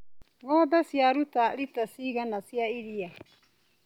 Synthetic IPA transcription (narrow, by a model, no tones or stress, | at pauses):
ŋɔːbasjaɾutaɾitasiɣanasjaiɾia